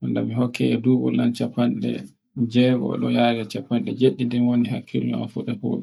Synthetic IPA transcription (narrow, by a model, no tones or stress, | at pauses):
ʔanda̰mihɔkʰːɛɛduːɡɔ̰lːant͡ʃapanɗɛ̰ | d͡ʒɛɡɔ̰ɗɔjaɾɛt͡ʃapːanɗɛd͡ʒeɗːidɛmwonihakʰːila̰fuɗɛpṵːɗɛ